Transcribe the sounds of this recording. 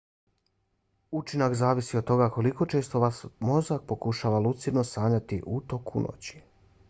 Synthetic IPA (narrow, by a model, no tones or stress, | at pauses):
ut͡ʃinakzaːʋisiod̪t̪o̞ɡakoliko̞t͡ʃe̞ːst̪o̞ʋasmo̞zak̚po̞kuʃaːʋalut̪siɾno̞saːɲat̪iʔut̪o̞kʰṵnʔo̰t͡ɕi̥